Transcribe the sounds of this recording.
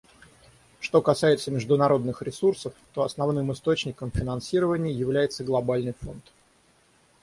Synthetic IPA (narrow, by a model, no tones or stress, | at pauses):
ʂt̪o̞kɐsajɪt̪səmʲɪʐd̪ʊnɐɾo̞d̪nɨxɾʲɪsursəft̪o̞ɐsnɐvnɨmɨst̪o̞t͡ɕnʲɪkəmfʲɪnɐnsʲiɾəvənʲɪjəjɪvlʲæjɪt̪səɡlˠɐbalʲnɨjfo̞nt̪